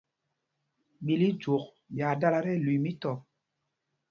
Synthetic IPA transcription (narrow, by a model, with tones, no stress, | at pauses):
ɓi˨li˦d͡ʒo˨k | ɓja˨da˦la˦ɾɛ˦˨lu˨mi˦tɔ˨